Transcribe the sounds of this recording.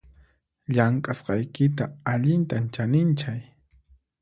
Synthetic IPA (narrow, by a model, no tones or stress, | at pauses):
ʎaŋkʼasqɑjkɪt̪aːʎɪnt̪ant͡ʃanɪnt͡ʃaj